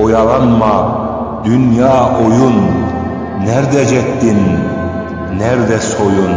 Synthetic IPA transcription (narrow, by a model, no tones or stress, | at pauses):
ojɑlˠɑnmɑ | d̪ynjɑːojunː | ɛɾd̪ɛd͡ʒɛt̪ːin | ɛɾd̪ɛsojun